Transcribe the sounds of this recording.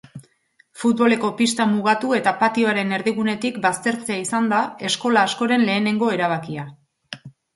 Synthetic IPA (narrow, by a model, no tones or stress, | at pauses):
fut̪̚βo̞le̞ko̞pist̪amuɣat̪ue̞t̪apat̪io̞aɾe̞ne̞ɾðiɣune̞t̪ikbast̪e̞ɾt͡se̞aisand̪ae̞sko̞laːsko̞ɾe̞nle̞ːne̞ŋɡo̞e̞ɾaβ̞akia